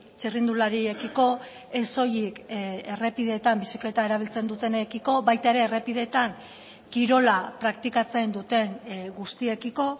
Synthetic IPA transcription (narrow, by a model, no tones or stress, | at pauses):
t͡ʃirind̪ulaɾiekiko̞ | e̞so̞jike̞re̞piðe̞ːt̪ambisikle̞t̪ae̞ɾaβ̞ilt͡se̞nd̪ut̪e̞nekiko̞βajt̪ae̞ɾe̞ːre̞piðe̞ːt̪aŋ | kiɾo̞lapɾakt̪ikat͡se̞nd̪ut̪e̞ŋɡust̪ie̞kiko̞